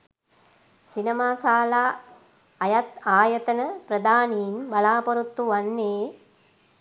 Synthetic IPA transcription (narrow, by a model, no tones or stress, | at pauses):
sinɐmaːsaːlaː | ɐjɐt̪aːjɐt̪ɐnəpɾɐd̪aːniːnbɐlaːpoɾut̪ːuʋanːeː